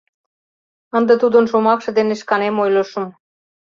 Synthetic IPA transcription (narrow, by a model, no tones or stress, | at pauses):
ənd̪ĕt̪ud̪ə̆nʃomɑkʃɤ̆d̪eneʃkɑnemojlɤ̆ʃə̆m